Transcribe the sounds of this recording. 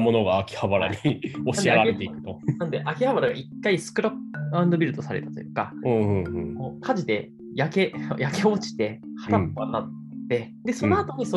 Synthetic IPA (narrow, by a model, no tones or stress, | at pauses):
mo̞no̞ɡaːkʲi̥habaɾa̰ɲ̟ioɕnidieaeaaeet̪eikɯ̟̥t̪onãnd̪e̞ʔakʲihabaɾaɡa̰ikːaisɨ̥kɯ̟ɾapːãɯ̃nd̪o̞bʲiɾɯ̟t̪o̞saɾe̞t̪ḁt̪ojɯ̟kaɯ̃ɯ̃ɯ̃koːkʰaʑid̪e̞ | jake̞̰jake̞ot͡ɕi̥t̪e̞hat̪apːoanːat̪ | t̪ːe̞ | d̪e̞so̞no̞at̪o̞ɲ̟iso